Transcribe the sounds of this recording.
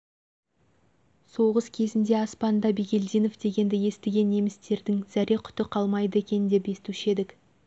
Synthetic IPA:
so̞ʁəskʲʰe̞zɪnd̪e̞ɑspɑnd̪ɑbiɡʲe̞ld̪ijno̞fd̪e̞ɡʲe̞nd̪ɪje̞st̪eɡʲe̞nːe̞mɪst̪e̞ɾd̪ɪŋz̥æɾe̞kʲʰʏ̥t̪ɪqʰɑlˠmɑjd̪əe̞kʲe̞nɪnd̪e̞pe̞st̪uʃe̞d̪ɪk

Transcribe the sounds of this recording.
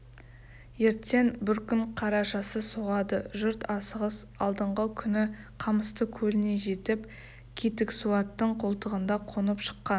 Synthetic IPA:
je̞ɾt̪ːe̞nbɪɾkʲʰʏɴqʰɑɾɑʃɑsəsoʁɑd̪əʒʏɾt̪ɑsəʁəs | ɑlˠd̪əɴʁəkʲʰʏnɪ | qʰɑməst̪əkʲʰɵlɪne̞ʒe̞t̪ɪp | kʲʰit̪ɪksuɑt̪ːəɴqʰolˠt̪əʁənd̪ɑqʰonəpʃə̥qːɑn

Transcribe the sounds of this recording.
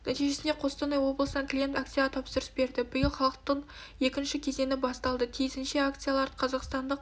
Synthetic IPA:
næt̪ijʒe̞sɪne̞qʰo̞st̪ənɑjwo̞blˠəsənɑŋklʲije̞nt̪akt̪sijt̪ʰɑpsəɾəsbe̞ɾd̪ɪbʊjəlˠχɑlˠəq̚t̪ːəɴ | je̞kʲɪnʃɪkʲʰe̞ze̞nɪbɑst̪ɑlˠd̪ət̪ʰijzɪnʃɪak̚t̪sɨjalˠɑɾqʰɑzɑqst̪ɑnd̪əq

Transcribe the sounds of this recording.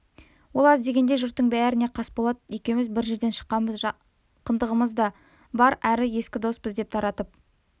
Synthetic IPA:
wo̞lˠɑzd̪e̞ɡʲe̞nd̪eʒʊɾt̪ːəɴbæɾɪne̞qʰɑsbolˠɑd̪jekʲemɪzbɪɾʒe̞ɾd̪e̞nʃə̥qːɑnbəz | qʰənd̪əʁəməzd̪ɑ | bɑɾæɾɪje̞skʲɪd̪o̞spəzd̪e̞p̚t̪ʰɑɾɑt̪əp̚

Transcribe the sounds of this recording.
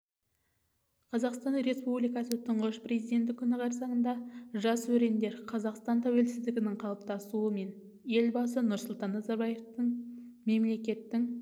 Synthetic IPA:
qʰɑzɑqst̪ɑnɾe̞spublijkɑsət̪ʰʊɴʁəʃprezijd̪e̞nt̪ɪkʲʰʏnɪʁɑɾsɑʁənd̪ɑʒɑswɵɾe̞nd̪e̞ɾqʰɑzɑqst̪ɑnt̪ʰæwe̞lsɪzd̪ɪɡʲɪnɪŋqʰɑlˠəp̚t̪ɑsuəme̞n | je̞lbɑs̬ənʊɾsʊlˠt̪ɑnːɑzɑɾbɑje̞ft̪əɴ | me̞mle̞kʲe̞t̪ːɪŋ

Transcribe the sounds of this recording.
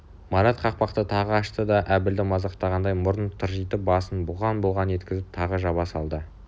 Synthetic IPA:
mɑɾɑt̪qʰɑq̚pɑqt̪ət̪ʰɑʁəɑʃt̪əd̪ɑʔæbɪld̪ɪmɑzɑqt̪ɑʁɑnd̪ɑjmʊɾənt̪ʰʊɾʒijt̪əbɑsənbʊʁɑnbolˠʁɑne̞t̪kʲɪzɪp̚t̪ʰɑʁəʒɑβɑsɑlˠd̪ə

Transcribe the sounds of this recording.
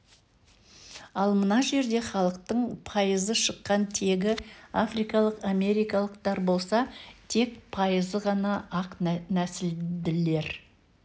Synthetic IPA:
ɑlˠmənɑʒe̞ɾd̪e̞χɑlˠəq̚t̪əɴpʰɑjəzəʃəqːɑnt̪ʰe̞ɡʲɪafrijkɑlˠəqame̞ɾijkɑlˠəqt̪ɑɾbo̞lˠsɑt̪ʰe̞kpʰɑjəzəʁɑnɑʔɑqnnæsɪld̪ɪle̞ɾ

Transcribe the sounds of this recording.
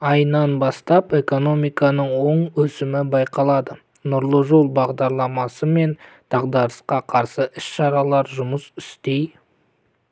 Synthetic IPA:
ɑjnɑnbɑst̪ɑpe̞ko̞no̞mijkɑnəɴwo̞ɴwɵsɪmɪbɑjqɑlˠɑd̪ə | nʊɾlˠəʒolˠbɑʁd̪ɑɾlˠɑmɑsəme̞nd̪̥ɑʁd̪ɑɾəsqɑqʰɑɾsəʔɪsʃɑɾɑlˠɑɾʒʊməsɪst̪ej

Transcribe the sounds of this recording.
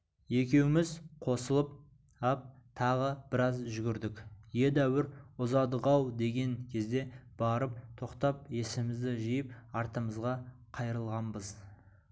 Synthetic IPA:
e̞kʲe̞wɪmɪzqʰo̞səlˠəp̚ | ɑp̚t̪ʰɑʁəb̥ɪɾɑzʒʏɡʲɪɾd̪ɪkje̞d̪æwɪɾʊzɑd̪əʁɑwd̪e̞ɡʲe̞ŋkʲʰe̞zd̪e̞b̥ɑɾəp̚t̪ʰo̞qt̪ɑp̚je̞sɪmɪzd̪ɪʒijəp̚ɑɾt̪əməzʁɑ | qʰɑjɾəlˠʁɑmbəz

